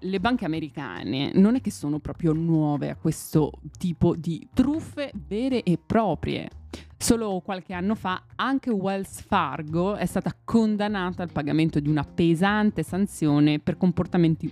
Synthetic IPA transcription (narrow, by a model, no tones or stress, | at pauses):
lebaŋk̟eameɾika̰ːnḛnonɛk̟ːesːoːnopɾɔːpɾjonwɔːvḛa̰kːwest̪ot̪iːpod̪it̪ɾufːevɛːɾeʔepːɾɔːpɾjḛsoːlokwalk̟eanːofaaŋk̟ewalsfarɡoɛst̪aːt̪akʰond̪anːaːt̪aːlpaɡament̪od̪iunapezant̪esant̪sjoːneperkomport̪ament̪i